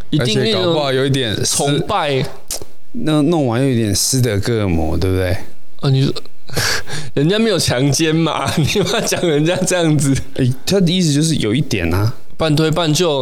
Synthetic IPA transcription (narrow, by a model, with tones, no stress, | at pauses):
i˧tə˧˦i˥˨ŋmi˥˨wa˥˨jo˨ʊi˥t̪jɛ˨˩nt͡sʰɔ˧˥˦pa˥˧˨ɪ | n˥˨no˥˨ŋwa˧˦njo˨˩ʊ˦i˥t̪jɛ˨˩ns̩˦˥d̪ə˧˦kɤ˥˧˩mɔ̰˨˦t̪we˥˩bt̪e˥˩ɪ˥˩ | ni˨˩s | ɻə˧˦nt͡ɕja˥˧me˧˥ɪjo˨˩t͡ɕʰjɑ˧˥ŋt͡ɕjɛ˦nma̰˨ | ni˨˩˦a˥t͡ɕjɑ˨˩ŋɻə˧˦nt͡ɕja˦˥ʈ͡ʂɤ˥˧jɑ˥˩ŋd͡zɹ̩˨˩ | ʔɛ˥˩t̪ʰa˥d̪ə˨i˥˩s̩˧t͡ɕjo˥˧ʊʂ̬ɻ̩˥˩jo˨˩ʊi˥t̪jɛ̰˨˩na˦ | pa˥˨nt̪ʰwe˥˧ɪpa˥˧nt͡ɕjo˥˨˩